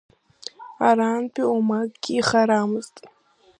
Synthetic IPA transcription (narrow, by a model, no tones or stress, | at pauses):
aɾanpʰʼiumaɡʼɡʲɪːχaɾamɨztʼ